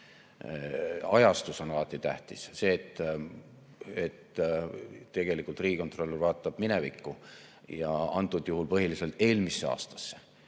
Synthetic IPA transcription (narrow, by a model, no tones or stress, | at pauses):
ɑjɑst̪uso̞nɑlɑt̪ːˑit̪æht̪isse̞ːt̪ːˑ | et̪ː | e̞ɡ̥e̞likːˑult̪riːɡiko̞nt̪ro̞lːvɑːt̪ˑːɑb̥mine̞vikːu | jɑɑnt̪ːˑud̪̥juhulpɤɦilise̞lt̪ˑe̞ːlmisːe̞ɑ̰ːst̪ɑ̥sːe